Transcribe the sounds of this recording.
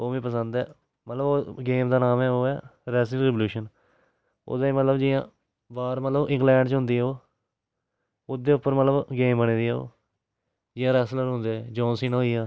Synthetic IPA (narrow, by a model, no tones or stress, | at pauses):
oːʋĩːpəsənd̪ɛː | mət̪ləboːɡeːmd̪aːnaːmɛːoːɛːɾɛːsəɾɪːʋluːʃən | o̰ːd̪aːiːmət̪ləbd͡ʒɪjãː | baːɾmət̪ləbɪ̃ŋɡlɛ̃ːɳɖt͡ʃɦʊ̃nd̪iːɛːoː | ʊd̪eːʊpːəɾmət̪ləbɡeːmbəɽ̃ẽːd̪iːɛːo̰ː | d͡ʒɪjãːɾɛːsləɾɦʊ̃nd̪ed͡ʒɔ̃ːnsiːnɦoːiːaː